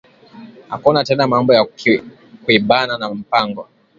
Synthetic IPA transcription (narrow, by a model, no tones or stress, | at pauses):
a̰kɔnatɛnamambɔja | kuiɓananam̩paŋɡɔ